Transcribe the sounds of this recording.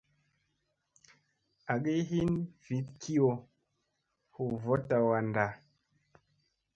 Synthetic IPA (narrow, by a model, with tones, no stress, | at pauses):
a˨ɡi˦ɦi˦nvi˨˦t̚kʰi˦ɔ˨ | hu˨vɔ˦ta˨wa˨nda˨